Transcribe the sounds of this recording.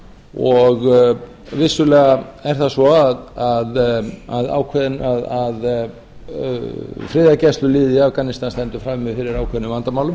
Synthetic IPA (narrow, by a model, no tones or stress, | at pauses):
ɔɣ | vɪsːʏlɛːɣaɛɾ̥θasɔaðaðaða̰ːwkʰvɛðɪnaðað | fɾɪːðacɛst̪lʏlɪːðiafkanɪst̪anst̪ɛnt̪ʏ̥fɾaːmmɛfɪɾɪɾaːwkʰɛːðnʏvant̪amaːwlʏ